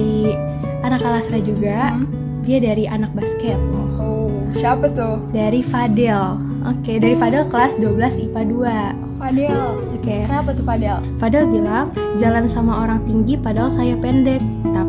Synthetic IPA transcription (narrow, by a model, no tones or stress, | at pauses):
i | anakalasɾad͡ʒuɡa | diadaɾiʔanak̚baskɛt̪̚ | o | ʃapat̪ʊdaɾifadɛl | ʔokedaɾifadɛlkəlasduabəlasipadua | fadɛl | okekapat̪ʊfadɛl | fadɛlbilaŋ | d͡ʒalansamaoɾaŋt̪iŋɡipadɛlsajapɛndɛk̚t̪a